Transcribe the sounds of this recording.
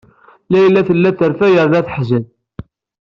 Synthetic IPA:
læjlːæθəlːæθəɾfæjəɾðæθħzəð

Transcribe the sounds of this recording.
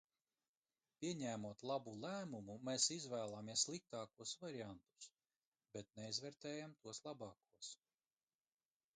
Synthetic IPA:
pʲiɛɲæːmuɔt̪lˠabulˠæːmumumɛːsizvæːlˠaːmiɛslˠik̚t̪ɑːkuɔsvaɾiant̪u̥s | bɛt̪nɛizvɛːɾt̪ɛːjamt̪uɔslˠabɑːkuɔs

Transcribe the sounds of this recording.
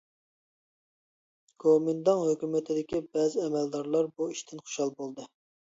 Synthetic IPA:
ɡ̥omind̪ɑŋɦøkʲymɪt̪ʰɪd̪ɪkʲibɛzɪɛmɛld̪ɑɾlˠɑɾbuiʃt̪ʰɪnχo̥ʃɑlˠbolˠd̪ɨ

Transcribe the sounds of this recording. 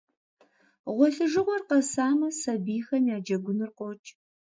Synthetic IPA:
ʁʷɔɬɨʒɨʁʷɔrqɐsaːmɐsɐbiːxɐnjaːd͡ʒɐɡʷʊnɨrqʷɔt͡ʃʼ

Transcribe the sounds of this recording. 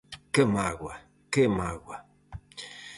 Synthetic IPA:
kemaɣwa | kemaɡwa

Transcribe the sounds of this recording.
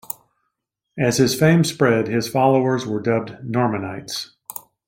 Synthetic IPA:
ɨz̥ɨz̥fẽɪ̃mspɹɛd̚ɪz̥fɑlˠoʊə˞zwə˞dʌb̚nɔɹmɨnaɪts

